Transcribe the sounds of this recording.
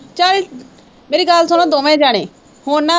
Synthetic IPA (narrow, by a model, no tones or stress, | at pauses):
t͡ʃal | meːɾiːɡaːlsonõd̪oːmẽːd͡ʒaːɽ̃ḛ̃ː | hoːnːa